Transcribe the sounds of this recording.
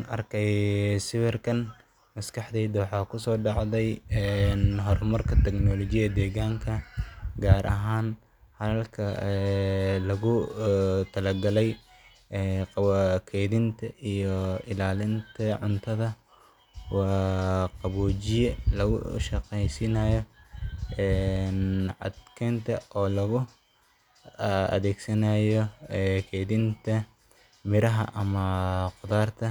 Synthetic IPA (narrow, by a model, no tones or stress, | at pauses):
nɐrkʰɛjsɪwɪrkʰɐn | mɐskʰɑħd̪ɛːd̪wɑħɑːkʰʊsɔːɖɑʕðɛjɛnɦɔrmɐrkʰɐt̪ʰɛɡnɔlɔt͡ʃɪjɐd̪ɛːɣaːŋkʰɐɡaːɾʔɐ̰ɦaːn | hɐðɐlkʰɐ | lɐɣʊ | t̪ʰɐlɐɡɐlɛj | ɛːqɑkʰɛjðɪnt̪ʰɐʔijɔɪlaːlɪnt̪ʰɐʕʊnt̪ʰɐðɐ | wɑːqɑβut͡ʃɪjɛlɐɣʊ̰ʃɐqɛjsɪnɐjɔ | ɛnʕɑ̰d̪kʰɛːnt̪ʰɐɔːlɐɣʊ | ɐ̰ðɛːɡsɐnajɔɛkʰɛːðɪnt̪ʰɐ | mɪɾɐɦɐ̰ʔɐmɐqʊðaːrt̪ʰɐ